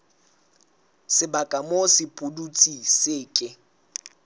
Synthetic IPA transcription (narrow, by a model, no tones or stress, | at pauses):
sɪbakʼamosɪpʼʊdut͡sʼisɪːkʼɪ